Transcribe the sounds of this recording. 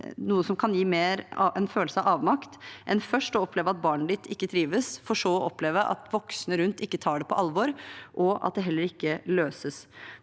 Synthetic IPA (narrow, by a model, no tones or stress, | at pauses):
nuːəsɔmkʰɑnjiːmeːɾɑɛnføːləsəɑʋɑːʋmɑkt̪ʔɛnfœʂʈɔɔpʰleːʋəɑt̪̚bɑːɳəd̪ɪt̪ʰɪkːət̪ʰɾiːʋəsfɔʂoːɔʔɔpleːʋəʔɑ̰t̪ʋɔksnəɾʉnt̪ɪkːət̪ʰɑːɖɛpʰɔ̰ʔɑlʋɔɾʔɔɑ̰t̪̚d̪ɛɦɛlːəɾɪkːəløːsəs